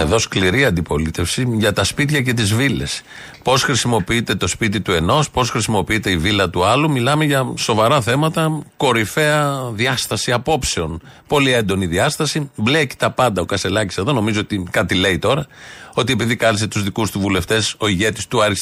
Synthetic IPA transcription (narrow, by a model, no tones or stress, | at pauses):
eðo̞skliɾiɐnd̪ipo̞lit̪e̞fsiʝɐt̪ɐspit̪çɐce̞t̪izvile̞s | po̞sxɾisimo̞piit̪e̞t̪o̞spit̪̬it̪ue̞no̞spo̞sxɾisimo̞piit̪e̞ivilɐt̪uɐlumilɐme̞ʝɐso̞vɐɾɐθe̞mɐt̪ɐko̞ɾife̞ɐðiɐst̪ɐsiɐpo̞pse̞o̞npo̞lie̞nd̪o̞niðiɐst̪ɐsibleci̥t̪ɐpɐnd̪ɐokɐst̪e̞lɐci̥se̞ðo̞no̞mizoot̪ikɐt̪ile̞it̪o̞ɾɐo̞t̪̬ie̞piðikɐɾise̞t̪uzðikust̪uvule̞ft̪e̞so̞iʝe̞t̪i̥st̪uɐɾis